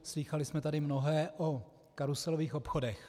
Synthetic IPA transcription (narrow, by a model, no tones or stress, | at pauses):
sliːxalɪsmɛt̪adɪmno̞ɦɛːʔo | kaɾusɛloviːxopxo̞dɛx